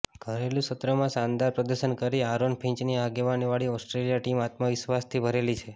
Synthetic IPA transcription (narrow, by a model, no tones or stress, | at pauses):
ɡ̥ʱəɾelũsət̪ɾəmãʃand̪aɾpɾəd̪əɾʃənkəɾiaɾonpʰĩɲt͡ʃniaɡeʋaniʋaɭiɔsʈɾelijaʈimat̪məʋiʃʋast̪ʰibʱəɾelit͡ʃʰe